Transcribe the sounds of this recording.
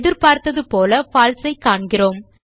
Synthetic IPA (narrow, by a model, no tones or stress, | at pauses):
ðɪɾpaːɾt̪ɐðɯpoːlɐfaːlsɐɪkːaːɳɡɪroːm